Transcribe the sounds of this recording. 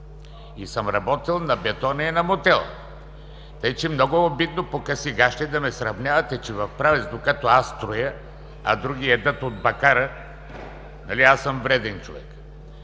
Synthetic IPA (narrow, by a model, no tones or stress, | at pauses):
isəmɾɐbɔt̪ilˠnɐbɛt̪ɔnɐinɐmot̪ɛlˠ | t̪əit͡ʃɛmnɔɡoobit̪nopokɐsiɡaʃt̪ɛd̪ɐmɛsɾɐvnʲjavɐt̪ɛt͡ʃɛvɐfpɾavɛzd̪okat̪ɔast̪ɾojə | ɐ̰d̪ɾuɡʲiɛd̪ət̪od̪̚bɐkaɾə | nɐliasːəmvɾɛd̪ɛnt͡ʃovɛ̰k